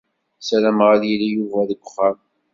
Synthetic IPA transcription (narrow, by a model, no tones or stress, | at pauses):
sælæmʁæljilijuvæðəɡʷʊχːæm